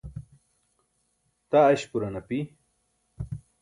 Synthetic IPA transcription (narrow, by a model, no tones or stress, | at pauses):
t̪aɐɕpuɾanɐpi